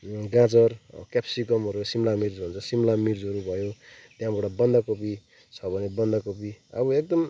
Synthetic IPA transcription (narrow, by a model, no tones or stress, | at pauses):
ɡãt͡sʌrkapsikʌmɦʌɾusimlamird͡zbʱʌnt͡sʰʌsimlamird͡zɦʌɾubʱʌjot̪jãbaʈʌbʌnd̪akopi | t͡sʰʌbʱʌnebʌnd̪akopiʌ̰bʌek̚d̪ʌm